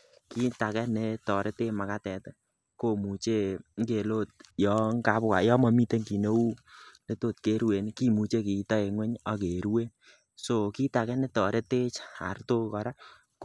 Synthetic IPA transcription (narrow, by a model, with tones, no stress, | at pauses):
ki˦ta˨kɛ˦ne˨˦tɔ˨ɾe˦te˦ma˨ka˦tɛ˨t | ko˦mu˨t͡ʃe˦ŋ˦ke˨lo˦˨t̚jɔ˨˦ŋka˨˦bka̰˨jɔ˦mɔ˧mi˦te˦ŋki˨ne˦u˦ne˦to˦˨t̚ke˦ɾwe˨nki˦mu˨t͡ʃe˦ki˨˦tɔ˦e˨ŋwɛ˦ɲa˦ke˨ɾu˦we˦ | so˨ki˦ta˨kɛ˦ne˦tɔ˨ɾe˦te˦t͡ʃa̰˨rto˦kɔ˨ɾa˦ | k